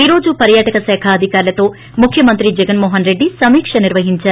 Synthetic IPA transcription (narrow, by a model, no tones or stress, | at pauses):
iɾo̞ːd͡ʒupɐɾjaːʈɐkɐsɛːkʰaːd̪ʱikaːɾlɐt̪o̞ː | mukʰjɐmɐnt̪ɾid͡ʒɛɡɐnmoːɦɐnɾe̞ɖːisɐmiːkʂɐniɾʋɐɦiɲt͡ʃaːɾu